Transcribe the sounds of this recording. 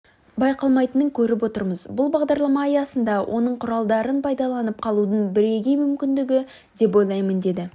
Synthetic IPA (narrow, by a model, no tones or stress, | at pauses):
bɑjqɑlˠmɑjt̪ənəŋkʲʰɵɾɪpwo̞t̪əɾməzbʊlˠbɑʁd̪ɑɾlˠɑmɑːjɑsənd̪ɑwʔo̞̰nəɴqʰʊɾɑlˠd̪ɑɾənpʰɑjd̪ɑlˠɑnəp̚qʰɑlˠud̪ənbɪɾe̞ɡʲemʏmkʲɪnd̪ɪɡʲɪ | d̪e̞pwo̞jlˠɑjmənd̪e̞d̪ɪ